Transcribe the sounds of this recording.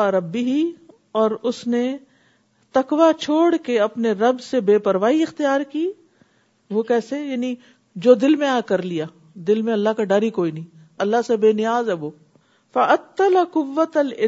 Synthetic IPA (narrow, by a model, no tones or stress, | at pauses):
aɾɐbːɪɦi | ɔːɾʊsne | t̪ɐkʋat͡ʃʰoːɽkeɐpneɾɐbsebeːpɐɾʋaːiɪxt̪ijaːɾkiː | ʋokɛːsejaːni | d͡ʒoːd̪ɪlmẽaːkɐɾlijaː | d̪ɪlmẽɐlːakaɖaːɾikoːinɐĩ | ɐlːaɦsebeːnɪjaːzɛboː | fɐʔɐt̪ːɐlaqʊʋːɐt̪ɐlɪ